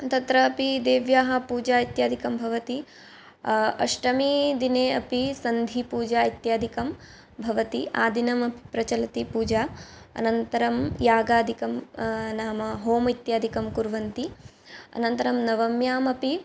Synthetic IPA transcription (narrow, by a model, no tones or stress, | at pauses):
t̪ɐt̪ɾɐːpid̪eːʋjaːɦɐ̆puːd͡ʒaːit̪jaːd̪ʱikɐmbʱɐʋɐt̪i | ɐ̰ʂʈɐmid̪ineːɐpisɐnd̪ʱipuːd͡ʒaːit̪jaːd̪ʱikɐm | bʱɐʋɐt̪iaːd̪ʱinɐmɐpi̥pɾɐt͡ʃɐlɐt̪ipuːd͡ʒaːɐ̰nɐnt̪ɐɾɐmjaːɡaːd̪ʱikɐmnaːmɐɦoːmɐit̪jaːd̪ʱikɐmkuɾʋɐnt̪i | ɐ̰nɐnt̪ɐɾɐmnɐʋɐmjaːmɐpi